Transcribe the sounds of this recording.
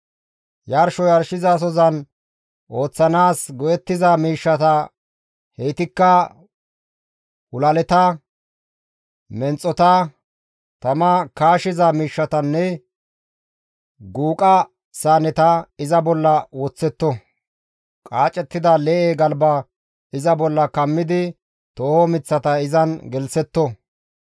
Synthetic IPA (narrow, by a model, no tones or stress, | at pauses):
jaɾʃɔjɐɾʃɪzɐs̬ɔzɐn | ʔo̞ːt͡sːɐnaːsɡɔjɛt̪ːɪzɐmiːʃːɐt̪ɐ | hejt̪ɪkːɐ | hʊlɐlɛt̪ɐ | mɛnt͡sʼːɔt̪ɐ | t̪ɐmɐkaːʃɪzɐmiːʃːɐt̪ɐnːɛ | ɡuːkʼɐ | saːnɛt̪ɐɪzɐbɔlːɐwɔt͡sːɛt̪ːɔ | kʼaːt͡ʃʼɛt̪ːɪd̪ɐlɛːʔeːɡɐlbɐ | ɪzɐbɔlːɐkɐmːɪd̪ɪ | t̪oːhɔmɪt͡sːɐt̪ɐɪzɐnɡɛlsɛt̪ːɔ